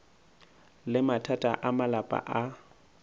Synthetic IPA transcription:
lɪmatʰatʼaʔamalapʼa̰ʔa

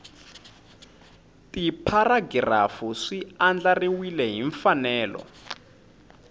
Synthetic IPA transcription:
tipʰaraɡrafuʂiand͡ɮariwilɛɦiɱfanɛːlɔ̰

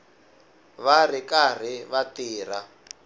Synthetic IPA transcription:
βar̤ikar̤iβatiːr̤a

